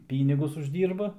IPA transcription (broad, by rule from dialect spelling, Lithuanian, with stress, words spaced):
ˈpʲiːnʲɪɡʊs ʊʒʲˈdʲiːrbɐ